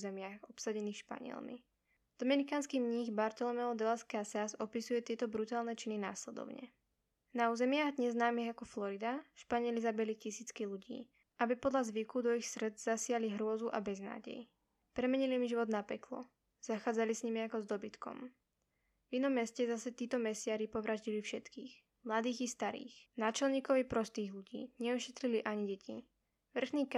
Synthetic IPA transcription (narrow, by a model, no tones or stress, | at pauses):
zɛmɪaɣɔpsaɟɛniːxʃpa̰ɲɪɛ̰lmḭ | d̪̥ɔmɛnikaːnskiɲiɣbaɾt̪ɔlɔmɛlɔd̪ɛlaskasasɔpisujɛt̪ɪɛt̪ɔbɾut̪aːlnɛt͡ʃinina̰ːslɛd̪ɔ̰ʊɲɛ̰ | nauːzɛmɪaːɣd̪ɲɛzːnaːmiɣakɔflɔɾid̪aʃpaɲɪɛlizabɛlicisiːt͡skiluɟḭː | ʔabipɔd̪lazʋikud̪ɔixsɾd͡zz̥asɪaliɦɾʊɔzuʔabɛzna̰ːɟɛ̰ji | pɾɛmɛɲilimiʒiʋɔd̪napɛklɔ̰ | z̥axaːd͡zalisɲimiakɔzd̪ɔbit̪kɔ̰m | vinɔmːɛscɛzasɛt̪iːt̪ɔmɛsɪaɾipɔʋɾaʒɟilifʃɛt̪kiːx | mlad̪iːɣist̪aɾḭːxnaːt͡ʃɛlɲiːkɔʋipɾɔst̪iːɣluɟḭːɲɛɔʃɛt̪ɾiliʔaɲiɟɛcʰi | ʋr̩xniːk